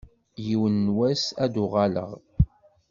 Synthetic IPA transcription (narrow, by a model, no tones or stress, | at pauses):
jiwənːwæsæd̪ʊʁɑlə̰ʁ